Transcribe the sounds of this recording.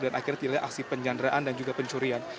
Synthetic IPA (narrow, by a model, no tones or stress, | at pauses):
danʔakiɾat̪ilaɲʔa̰ksipəɲd͡ʒandɾaʔandand͡ʒuɡapəɲt͡ʃuɾian